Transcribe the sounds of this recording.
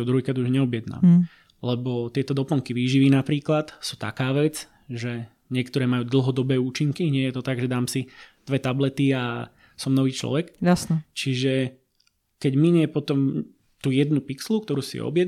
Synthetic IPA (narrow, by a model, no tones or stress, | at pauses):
ɔd̪ɾuɦikɾad̪uʒɲɛɔbɪjɛd̪na̰ːm | lɛbɔt̪ɪɛt̪ɔd̪ɔpl̩ŋkiʋiːʒiʋiːnapɾiːklat̪suːt̪a̰kaːʋɛd͡z | ʒɛ | ɲɪɛkt̪ɔɾɛːmajuːd̪l̩ˠɦɔd̪ɔbɛːuːt͡ʃiŋkiɲɪɛjɛt̪ɔt̪aɡʒɛd̪aːmsid̪̥ʋɛt̪ablɛt̪ia | sɔmnɔʋiːt͡ʃlɔ̰ʋɛkjasnɛt͡ʃiʒɛ | kɛɟmiɲɪɛpɔt̪ɔm | t̪uːjɛd̪nupiksluk̚t̪ɔɾuːsḭɔ̰bjɛd̪